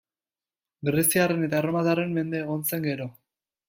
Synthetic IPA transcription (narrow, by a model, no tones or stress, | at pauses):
ɡɾesiare̞ne̞t̪aeɾomaðare̞mme̞nd̪e̞ːɣ̞o̞nse̞ŋɡe̞ɾo̞